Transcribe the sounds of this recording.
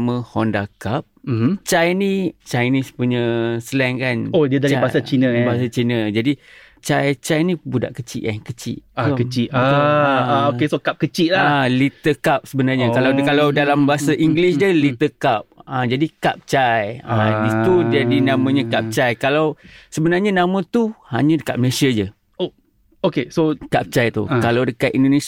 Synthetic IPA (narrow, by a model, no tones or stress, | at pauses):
mə̃hɔndakap̩̚t͡ʃajnit͡ʃajnispuɲə̃səlɛŋkanodiadaɾibaasat͡ʃinəbaasat͡ʃinəd͡ʒadi | t͡ʃajt͡ʃajnĩbuda̰ʔkət͡ʃḭʔkankət͡ʃḭʔaukət͡ʃiʔaaokesokap̚kət͡ʃiʔlaalit̪əkap̚səbənarɲakalawkalawdalambaɦasaʔiŋɡlisdəlit̪əkap̚ãd͡ʒadikap̚t͡ʃajait̪udadinãmãɲãkap̚t͡ʃajkalawsəbənarɲanãmãt̪uha̰ɲãdəka̰t̪̚məsiəd͡ʒə | o | okesokap̚t͡ʃajt̪ṵkalawdəkat̪̚indone